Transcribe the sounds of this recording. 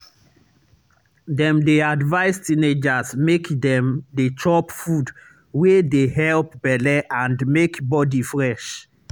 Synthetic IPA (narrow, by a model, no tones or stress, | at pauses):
dɛ̃mdeadvaɪstĩned͡ʒasmekdɛ̃mdetʰɔpfud | wedeɦɛlp̚bɛlɛʔãndmekbɔdifɹɛʃ